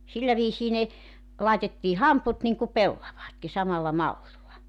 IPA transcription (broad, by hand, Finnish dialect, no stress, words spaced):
silːæ ʋiːsiː ne lɑetetːiː hɑmput niŋku pelːɑʋɑːtki sɑmɑlːɑ mɑlːilːɑ